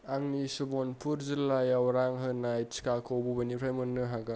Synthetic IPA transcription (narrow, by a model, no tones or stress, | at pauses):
aŋnisubonpʰuɾzilːajawɾaŋɦɯnajt͡ʃkakʰowbubɐniɾʰajmɯnːɯɦaɡa